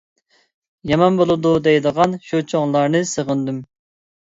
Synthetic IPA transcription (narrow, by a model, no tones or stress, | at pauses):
jɑmɑnbolˠɨd̪ud̪ɛjd̪əʁɑnʃut͡ʃʰoŋlˠɑɾnɨsəʁənd̪ym